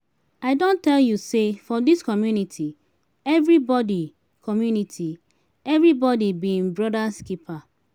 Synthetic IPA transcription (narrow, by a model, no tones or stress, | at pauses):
aɪdõntɛljusefɔdiskɔmjunitʰi | ɛvɹibɔdi | kʰɔmjunitʰi | ɛvɹibɔdibĩŋbɹɔdaskipʰa